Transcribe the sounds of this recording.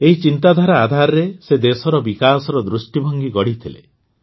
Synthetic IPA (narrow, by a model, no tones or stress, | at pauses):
eɦit͡ʃint̪ad̪ʱaɾaːd̪ʱaɾɔɾesed̪esɔɾɔbikasɔɾɔd̪ɾusʈibʱɔŋɡikɔɽit̪ʰilḛ